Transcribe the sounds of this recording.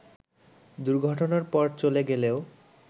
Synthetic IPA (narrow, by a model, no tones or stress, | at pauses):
d̪uɾɡʱɔʈonaɾpɔɾt͡ɕoleɡeleo